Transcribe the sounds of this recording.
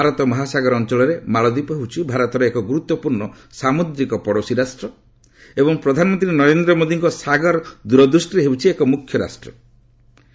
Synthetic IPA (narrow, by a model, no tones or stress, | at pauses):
bʱaɾɔt̪ɔmɔɦasaɡɔɾɔnt͡ʃɔɭɔɾemaɭɔd̪ipɔɦewt͡ʃʰibʱaɾɔt̪ɔɾeːkɔɡuɾut̪ːɔpuɾɳɔ | samod̪ɾikɔpɔɽosiɾasʈɾɔ | ebɔŋpɾɔd̪ʱanɔmɔnt̪ɾinɔɾend̪ɾɔmod̪iŋkɔsaɡɔɾd̪uɾɔd̪ɾusʈiɾeɦewt͡ʃʰiekɔmukʰːjɔɾa̰sʈɾɔ